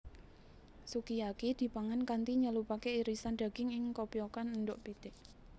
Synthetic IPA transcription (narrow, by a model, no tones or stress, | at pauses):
sukijakid̪̥i̤paŋankant̪iɲəlupakeiɾisanɖ̪̥a̤ɡ̥ɪŋɪŋkopiokannɖʊʔpit̪ɪʔ